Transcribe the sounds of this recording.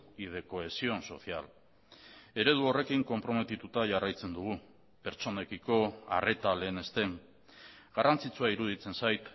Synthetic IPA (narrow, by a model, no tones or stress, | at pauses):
ið̞e̞ko̞e̞sio̞nso̞̰θia̰l | e̞ɾe̞ð̞uo̞re̞kiŋko̞mpɾo̞me̞t̪it̪ut̪aʝarajt͡se̞nd̪uɣ̞u | pe̞ɾt͡so̞ne̞kiko̞a̰re̞t̪ale̞ːne̞st̪e̞ŋ | ɡarant͡sit͡suaiɾuð̞it͡se̞nsajt̪